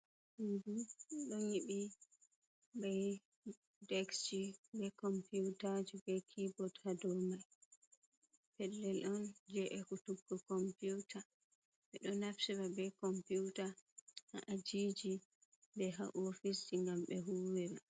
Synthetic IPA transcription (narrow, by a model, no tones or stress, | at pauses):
ɗuduɗɔɲiɓi | bɛj | dɛkst͡ʃibɛkɔmpuwtad͡ʒubɛjkʰibɔdhadɔmaj | pɛlːɛlʔɔnd͡ʒɛʔɛkutuɡːɔkɔmpuwtʰa | ɓɛɗɔnafsɛbabɛkɔmpuwtahaʔad͡ʒid͡ʒi | bɛɦa̰ʔofisiŋɡamɓɛɦuwɛba